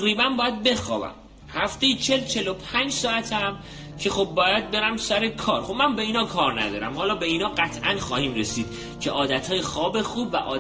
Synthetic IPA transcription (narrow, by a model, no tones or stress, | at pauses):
ɾiːbænbɒːjæd̪̚be̞xɒ̰ːbæ̰m | hæft̪e̞jet͡ʃʰe̞lt͡ʃʰe̞lopʰænd͡ʒsɒːæt̪ʰæm | cʰe̞xob̚ːɒːjæd̪̚be̞ɾæmsæɾekʰɒːɾxobmænbe̞iːnhɒːkʰɒːɾnæ̰d̪ɒ̰ːɾæmhɒːlɒːbe̞iːnɒːɢæt̪ʰʔæ̰nxɒːhiːmɾesiːd̪̥ | cʰeʔɒːd̪æt̪ʰhɒːjexɒːbe̞xuːbvæʔɒː